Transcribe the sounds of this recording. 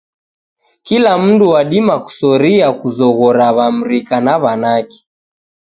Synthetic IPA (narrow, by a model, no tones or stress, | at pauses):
kilam̩nduwaɗimaku̥sɔɾiakuzɔɣɔɾaβam̩ɾikanaβanaki̥